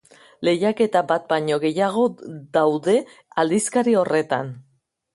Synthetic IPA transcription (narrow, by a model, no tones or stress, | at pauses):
le̞jake̞t̪abat̪̚baɲo̞ɣe̞jaɣ̞o̞ðawðe̞ | ald̪iskaɾio̞re̞t̪a̰n